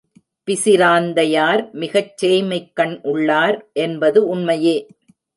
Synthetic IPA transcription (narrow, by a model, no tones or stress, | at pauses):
pɪsɪɾaːnd̪ɐjaːɾmɪɣɐt͡ʃːeːjmɐɪkːɐɳʔʊɭːaːɾʔɛnbɐðɯʊnmɐjeː